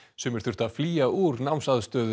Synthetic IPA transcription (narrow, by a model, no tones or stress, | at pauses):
sɛmɛɾ̥θʏɾ̥t̪aðfliːauɾnawmsaðst̪œːðʏ